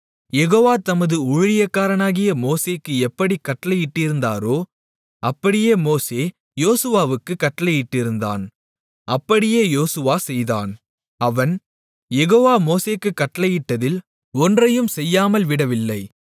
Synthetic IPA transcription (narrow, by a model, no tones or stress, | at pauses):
jɛɣoːʋaːt̪ɐmɐðɯʊɻɪlɪjɐkːaːɾɐnaːɣɪjɐmoːseːkːɯɛpːɐɽikːɐʈːɐlɐjɪʈːɪɾɯnd̪a̰ːɾoː | ʔɐpːɐɽɪjeːmoːseː | joːsɯʋaːʋɯkːɯkːɐʈːɐlɐjɪʈːɪɾɯnd̪a̰ːn | ɐpːɐɽɪjeːjoːsɯʋaːsɛjða̰ːn | ɐʋɐn | jɛɣoːʋaːmoːseːkːɯkːɐʈːɐlɐjɪʈːɐðɪl | ɔndrɐjɯmsɛjːaːmɐlʋɪɽɐʋɪlːɐɪ